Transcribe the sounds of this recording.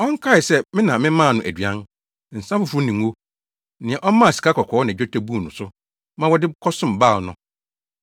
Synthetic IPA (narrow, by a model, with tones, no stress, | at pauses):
ɔ̃˦ŋ˦kʰa˦ɪ˨sɛ˦mɪ̃˦nã˨mɪ̃˦mã˦˨nʊ̃˨ʔæ˨dɥã˦n | n̩˨sã˦fʊ˨fʊ˦nĩ˨ŋ˨wo˦ | nɪ̃˨ɛ̃˨ʔɔ˦mã˦˨si̥˨ka˦kʰɔ˨kʰɔ˨˦nã˨d͡ʑᶣɔ˦tʰæ˨˦bu˦˨nʊ̰̃˨sʊ˦ | mã˦wɔ˦dɪ˦kʰɔ˦sʊ̃˦˨m˨ba˦˨lnʊ̃˨